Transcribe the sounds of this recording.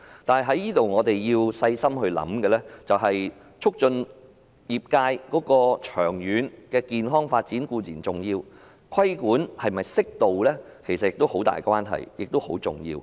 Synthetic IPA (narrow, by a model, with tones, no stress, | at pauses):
t̪aː˨nɦɐ˨jɦɐ˨˥jiː˥t̪o˨wŋɔː˨˧t̪e˨jjiː˧wsɐ˧jsɐ˥mhɵ˧ɥlɐ̰˨˥mkɛː˧lɛː˥t͡sɐ˨wɦɐ˨j | t͡ʃʰʊ˥k̚t͡ʃɵ˧n | jiː˨p̚kaː˧jkɔː˨˥kɔː˧t͡ʃʰœː˨˩ŋjyː˨˧˥nkɛː˧kiː˨nɦɔː˥ŋfaː˧t̚t͡siː˨˥nkuː˧t͡siː˨˩nt͡sʊ˨˩ŋjiː˧w | kʰɐ˥jkuː˨˥nhɐ˨jmɐ˨jsɪ˥k̚t̪o˨wlɛː˥kʰe˨˩sɐ˨t̚jɪ˨k̚t̪o˥who˨˥wt̪a̰ː˨˩jkwaː˥nɦɐ̰˨˩jjɪ˨k̚t̪o˥who˨˥wt͡sʊ̰˨˩ŋjḭː˧w